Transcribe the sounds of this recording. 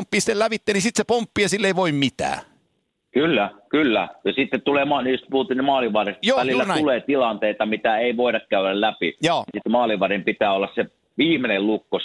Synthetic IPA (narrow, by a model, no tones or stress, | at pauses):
mpːˑiːsi̥t̪ːelæʋit̪ːeːnisit̪sepompːijɑsilːeiʋoimmit̪æ̰ː | kylːækylːæ̰jɑsit̪ːett̪ulemɑnniost̪puhut̪ːˑiːnemɑːliʋˑɑˑresjoːælilːænuleːt̪ilɑnt̪eˑit̪ɑmit̪æeˑiʋoˑeɾɑkkæˑøɾællæpḭjɑːsit̪ːmɑːliʋɑrimpit̪æːolːɑsse | ʋiːmenellukːo